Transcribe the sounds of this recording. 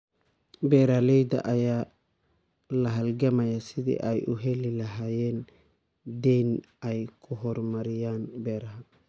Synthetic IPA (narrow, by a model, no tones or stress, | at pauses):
bɛːɾalɛjd̪ɐ̰ʔɐjaː | lɐɦɐlɡɐmɐjasɪd̪ḭʔajuɦɛlilɐɦajɛn | d̪ɛn | ajkʰʊɦɔɾmɐɾɪjaːnbɛːɾɐɦa